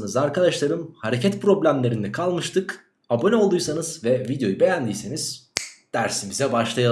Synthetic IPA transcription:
nɯzaɾkʰad̪aʃlˠaɾɯmhaɾe̞cʰɛt̪pɾo̞blʲæmlʲe̞ɾind̪ɛkʰalˠmɯʃt̪ʰɯk | abo̞nʲeo̞lˠd̪ujsanɯzvɛvid̪jo̞jube̞jænd̪ijseniz̥d̪̥æɾsimizɛbaʃlˠaja

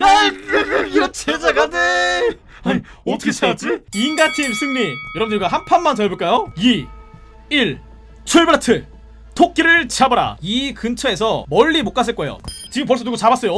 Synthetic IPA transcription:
aeiɾʌt͡ɕʰed͡ʑaɡade | aɲi | ʌtʰʌkʰet͡ɕʰaɡad͡ʑiinɡat͡ɕʰins͈ʰɯŋɲijʌɾʌmndɯɲiɡaɦampʰanmant͡ɕʌjʌboɭk͈ajoi | iɭ | t͡ɕʰoɭbɯɾatʰɯ | tʰok̚k͈iɾɯɭt͡ɕiabʌɾa̰ikɯnt͡ɕʰʌe̞sʰʌmʌʎːimok͈as̬͈ɯɭk͈ʌejo̰t͡ɕiɡɯmpʌɭs͈ʌnuɡot͡ɕabas͈ʌjo

